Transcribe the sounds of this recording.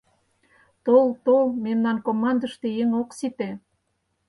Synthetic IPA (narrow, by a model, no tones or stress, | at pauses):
t̪olt̪olmemnɑnkomɑnd̪əʃt̪e̽jeŋoksit̪e